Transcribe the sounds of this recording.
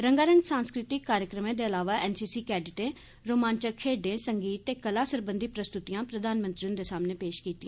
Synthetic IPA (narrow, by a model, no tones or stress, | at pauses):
ɾəŋɡaːɾəŋɡsãːnskɾɪt̪ɪkːaːɾjəkɾəmẽːd̪eːəlaːʋaːʔɛːnsiːsiːkɛːɖɪʈẽː | ɾoːmãːnt͡ʃəkʰeːɖẽːsəŋɡiːt̪ːeːkəlaːsəɾbənd̪iːpɾəst̪ʊt̪ijãːpɾəd̪ʱaːnmə̃nt̪ɾiʊnd̪eːsaːmneːpeːʃkiːt̪iɛ̃ː